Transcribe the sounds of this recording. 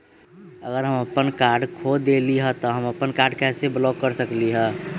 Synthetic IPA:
əɡəɾɦəməpənkaːɾɖkʰod̪eliɦɛ̃t̪ɔɦəməpənkaːɾɖkɛːseblɔkːəɾsəkliɦɛ̃ː

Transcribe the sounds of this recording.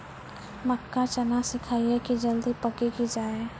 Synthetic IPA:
məkːat͡ʃənasɪkʰaːiɦɛkid͡ʒəld̪ipəkikid͡ʒaːe

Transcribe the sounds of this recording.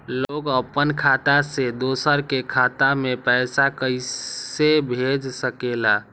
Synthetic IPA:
loɡəpːənkʰat̪ased̪osəɾkekʰat̪amepəjsakəjsebʱed͡ʒsəkela

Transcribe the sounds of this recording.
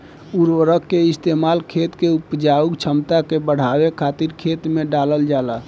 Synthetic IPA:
uɾʋəɾəkːeist̪emalkʰet̪keupd͡ʒaukt͡ʃʰəmt̪akebəɽ̤awekʰat̪iɾkʰet̪meɖaləld͡ʒala

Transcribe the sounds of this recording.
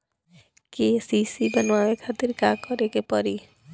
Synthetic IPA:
kesisibanoamekʰat̪iɾkakɔɾekepɔɾi

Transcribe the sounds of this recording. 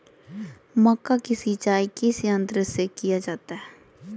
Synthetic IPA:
məkːakɪsit͡ʃaːikɪsiə̃nd̪ɾəsekɪjaːd͡ʒaːt̪aɦɛː

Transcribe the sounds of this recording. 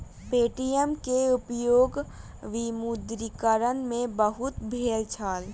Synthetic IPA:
peːʈijemkeʊpjoːɡ | ʋimud̪ɾikəɾənmẽbəɦʊt̪bʱeːlt͡ʃʰaːl

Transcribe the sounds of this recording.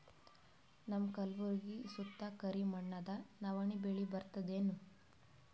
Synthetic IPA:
nɐmkɐlʋuɾɡiːsut̪ːɐkɐɾimɐɳːɐd̪ɐnɐʋɐɳibeɭibɐɾt̪ɐd̪eːnu

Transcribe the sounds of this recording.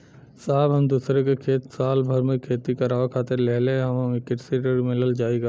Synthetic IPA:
saːbɦɐmd̪uːsɾekekʰeːt̪saːlbʱɐɾmẽkʰeːt̪ikɐɾaːʋakʰaːt̪ɪɾlɛɦleɦɐmɐmekɪʈsiʈəɾmɪ̃ləld͡ʒaːiɡaː

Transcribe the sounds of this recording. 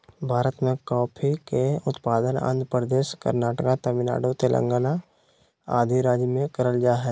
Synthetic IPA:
bʱaːɾət̪mẽkɔːpʰikeʊt̪paːd̪ənə̰̃nd̪pɾəd̪eːʃkə̰ɾnaːʈəkat̪əmɪna̰ːɖot̪elʔə̰̃ŋɡana | a̰ːd̪ʱiɾaːd͡ʒjəmẽkəɾəld͡ʒaːɦɛː

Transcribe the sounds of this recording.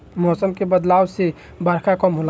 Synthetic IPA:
mɔːsəmkebəd̪laːwse | baɾkakɔmɦola

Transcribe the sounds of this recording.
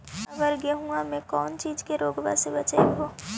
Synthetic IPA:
ɐʋəɾɡeɦũamẽkɔːnt͡ʃiːd͡ʒkeɾoːɡba̰ːsebɐt͡ʃaeɦoː

